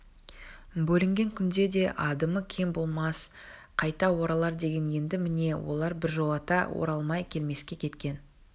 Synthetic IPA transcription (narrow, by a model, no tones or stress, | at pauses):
bɵlɪŋɡʲe̞ŋkʲʰʏnd̪e̞d̪e̞ʔɑd̪əməkʲʰe̞mbo̞lˠmɑs | qʰɑjt̪ɑwo̞ɾɑlˠɑɾd̪e̞ɡʲe̞nje̞nd̪ɪmɪne̞wo̞̰lˠɑɾbɪɾʒo̞lˠɑt̪ɑwo̞̰ɾɑlˠmɑjkʲʰe̞lme̞skʲe̞kʲʰe̞t̪kʲe̞n